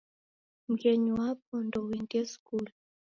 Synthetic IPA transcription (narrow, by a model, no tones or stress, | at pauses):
m̩ɡɛɲuwap̚ɔndɔwiŋɡɛskul